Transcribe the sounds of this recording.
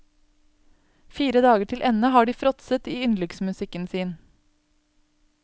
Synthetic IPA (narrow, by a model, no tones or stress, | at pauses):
fiːɾəd̪ɑːɡəʈʰɪlʔɛnəhɑːɖiːfɾɔt̪sət̪iːʉnlʏksmʉsɪkənsiːn